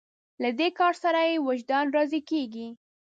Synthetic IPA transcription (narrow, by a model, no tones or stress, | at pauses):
lad̪ekɑɾsaɾajewaʒd̪ɑnɾɑzikeɡi